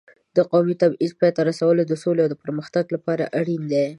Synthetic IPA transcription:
d̪əqɑwmit̪abizpɑjt̪aɾasawəlod̪əsoleawd̪əpəɾməxt̪aɡlapɑɾa̰ʔaɽind̪e

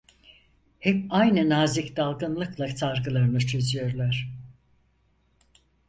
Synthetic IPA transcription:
hɛpajnɯnaːzicd̪alˠɡɯnlˠɯklˠat͡ʃʰaɾɡɯlˠaɾɯnɯt͡ʃʰø̞zyjo̞ɾlˠaɾ̝̥

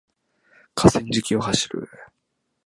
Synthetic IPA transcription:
kʰasẽɲd͡ʑikʲio̞haɕiɾɯ̟̰

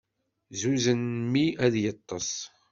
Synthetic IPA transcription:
zuzənmiæðjət̪ˤːɑsˤ

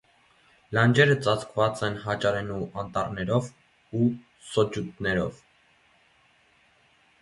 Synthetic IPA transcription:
lɑnd͡ʒɛɾət͡sɑt͡skʰvɑt͡sɛnɦɑt͡ʃɑɾɛnuʔɑnt̪ɑrnɛɾɔv | u | sɔd͡ʒut̪nɛɾɔ̰v

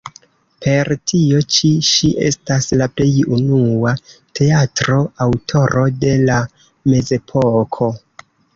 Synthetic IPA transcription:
pe̞ɾtio̞t͡ʃiʃiʔe̞̰staslaple̞junuatʰe̞atɾo̞awtʰo̞ɾo̞de̞la | me̞ze̞pʰokʰo̞

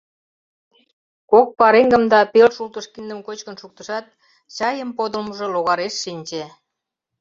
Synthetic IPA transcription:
kok̚pɑɾeŋɡə̆md̪ɑpelʃult̪əʃkind̪əmkot͡ɕkənʃuk̚t̪əʃɑt̪̚ | t͡ɕɑjəmpod̪ə̆lməʒĕloɣɑɾeʃːinʲt͡ɕe

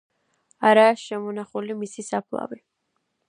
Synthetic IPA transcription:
aɾaːʃɛmɔnaχulimisisapʰlˠa̰vi

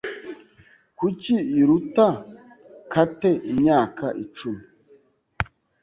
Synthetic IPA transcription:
kuciiɾuta | kateʔimɲaːkaʔit͡ʃumi

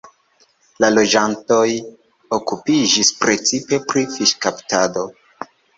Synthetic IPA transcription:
lalo̞d͡ʒanto̞j | okupid͡ʒispɾe̞t͡sipe̞pɾifiʃkaptado̞

